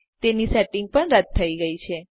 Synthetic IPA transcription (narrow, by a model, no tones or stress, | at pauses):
t̪enisɛʈɪŋɡ̚pəɳɾəd̪̚ʰːəiɡəit͡ʃʰe